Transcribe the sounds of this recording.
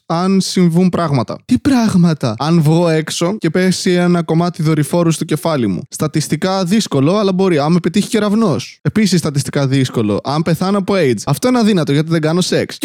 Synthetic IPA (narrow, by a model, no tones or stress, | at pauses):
ɐnsiɱvumpɾɐɣmɐt̪ɐ̰t̪ipɾɐɣmɐt̪ɐɐnvɣo̞e̞kso̞ce̞pe̞sienɐko̞mɐt̪iðo̞ɾifo̞ɾust̪uce̞fɐlimṵst̪ɐt̪ist̪ikɐðisko̞lo̞ɐlɐbo̞ɾiɐnmepet̪içi̥ce̞ɾɐvno̞se̞pisisːt̪ɐt̪ist̪i̥kɐðisko̞lo̞̰ʔɐmpe̞θɐnɐpo̞ejd͡zɐft̪o̞enɐðinɐt̪o̞ʝɐt̪̬iðeŋɡɐno̞se̞ks